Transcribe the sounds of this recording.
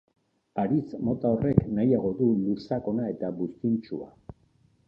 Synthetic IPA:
aɾit͡smo̞t̪aore̞knajaɣ̞o̞ðulusako̞nae̞t̪aβust̪int͡ʃua̰

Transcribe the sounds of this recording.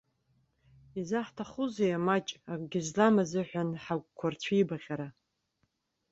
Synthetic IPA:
izaħtʰaχuzejamat͡ʃʼakʼɡʲɪzlamazɨħʷᶣanħakʷʼkʷʰart͡ɕʷʰijbaʁʲaɾa

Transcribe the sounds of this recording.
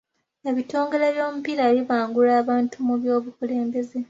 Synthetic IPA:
eβito̞ːŋɡe̞le̞βjo̞ːmupiɾaβiβaːŋɡulaːβaːntʰumuβjo̞ːβukule̞ːmbe̞ze̞

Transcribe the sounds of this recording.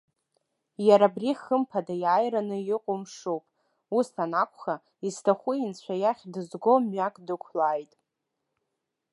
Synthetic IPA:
jaɾabriχəmpʰadajaːjɾanɨjɪqʷʼʊmʂowpʼ | usʰanakʷʰʼχa | istʰaχʷʊint͡ɕʷʰajaχʲdɨzɡomɥakʼdɨkʷʰlaːjtʼ

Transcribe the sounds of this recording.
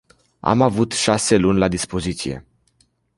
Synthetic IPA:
a̰mavut̪ʃase̞lunʲlad̪ispo̞zit̪sije̞̰

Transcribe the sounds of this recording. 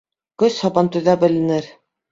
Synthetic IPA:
kɵshɑbɑnt̪ɵ̆ðæbɘ̆lɘ̆nɘɾ

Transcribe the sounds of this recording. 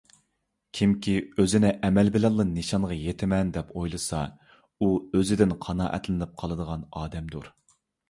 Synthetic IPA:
kʲʰimkʲʰiøzɪnɪʔɛmɛlbɪlɛnˠːɨnːɨʃɑnʁɑjet̪ʰɪmɛnd̪ɛpʰojlˠɨsɑ | uøzɪd̪ɪnqʰɑnɑ̰ːʔɛ̰t̪lɪnɪp̚qʰɑlˠɨd̪əʁɑnɑːd̪ɛmd̪uɾ

